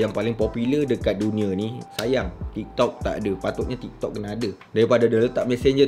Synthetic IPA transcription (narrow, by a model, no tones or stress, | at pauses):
jaŋpalɪŋpɔpilərdəkat̪̚dunĩãnisajaŋt̪ik̚t̪ɔk̚t̪a̰ʔadapat̪ʊʔ̚ɲat̪ik̚t̪ɔk̚ːənaːdədaɾipadadələt̪aʔ̚mɛsɛɲd͡ʒə